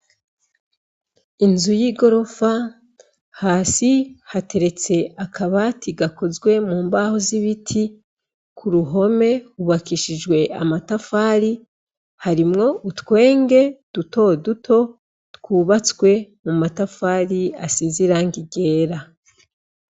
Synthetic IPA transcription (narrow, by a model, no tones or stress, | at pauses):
inzujiɡo̞ɾo̞fa | haːsihate̞ɾe̞t͡se̞akʰaβatiɡako̞zɡwe̞muːmbahoziβitʰi | kʰuɾuɦo̞me̞huβakiʃid͡ʒɡwe̞ʔa̰matafaːɾi | haɾimŋo̞utkwe̞ːŋɡe̞d̥uto̞dutʰo̞ | tkuːβat͡swe̞mumatafaːɾiasiziɾaŋɡiɡe̞ːɾa